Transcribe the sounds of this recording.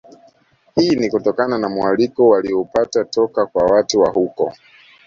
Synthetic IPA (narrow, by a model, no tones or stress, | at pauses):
hiːnikutɔkananamualikɔwaliɔpatatɔkakwawatuwahukɔ